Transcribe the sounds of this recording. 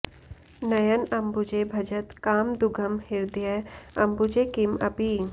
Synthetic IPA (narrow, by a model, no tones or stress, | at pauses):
nɐjənɐmbud͡ʒebʱɐd͡ʒət̪kaːmd̪uɡʱəmhɪɾd̪ijəɐmbud͡ʒekimɐbi